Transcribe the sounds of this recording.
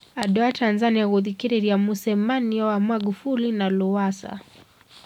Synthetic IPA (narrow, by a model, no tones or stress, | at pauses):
aɗɔatʰanzaniaɣuðikiɾiɾiamusɛmaniɔwamaɡufulinaluwasa̰